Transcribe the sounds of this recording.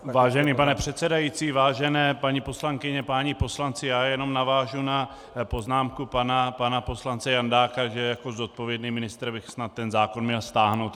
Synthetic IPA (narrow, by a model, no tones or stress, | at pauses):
vaːʒɛniːpanɛpr̝̥ɛt̪sɛdajit͡siːvaːʒɛnɛːpaɲipo̞slaŋkɪɲɛpaːɲipo̞slant͡sɪjaːjɛno̞mnavaːʒuna | po̞znaːmkupanapanapo̞slant͡sɛjandaːkaʒɛjako̞zo̞t̪̚po̞vjɛdniːmɪnɪst̪ɾbɪxsnat̪ːɛnzaːko̞nmɲɛlst̪aːɦno̞wt̪